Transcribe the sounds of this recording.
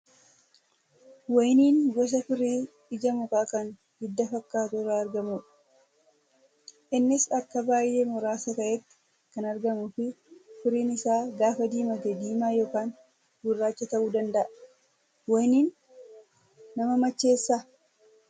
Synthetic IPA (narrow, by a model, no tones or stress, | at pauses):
wɔjniːnɡɔs̬ɐfɪɾiːᶑɪd͡ʒɐmʊkʼaːkɐn | hɪd̪ːɐfɐkːaːt̪uːrɐɐɾɡɐmuː | ʔɪnːɪsɐkːɐbaːjːe̞ːmɔɾaːsɐkɐʔɛt̪ːɪ̥ | kɐnɐɾɡɐmʊfɪ | fɪɾiːnɪsaːɡaːfɐd̪iːmɐt̪ɛd̪iːmaːjo̞ːkaːn | ɡʊrːaːt͡ʃːɐt̪ɐʔuːd̪ɐnd̪ɐʔɐ | wɔjniːn | ɐmɐmɐt͡ʃːe̞ːsːa